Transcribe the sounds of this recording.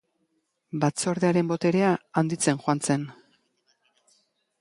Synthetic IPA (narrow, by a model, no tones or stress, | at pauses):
bat͡so̞ɾðeaɾe̞mbo̞t̪e̞ɾe̞aand̪it͡se̞nxoant͡se̞n